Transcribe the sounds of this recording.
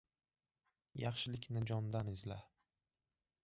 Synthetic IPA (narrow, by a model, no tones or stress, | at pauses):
jɑχʃɪlɪkʲnɪd͡ʒɒnd̪anɪzla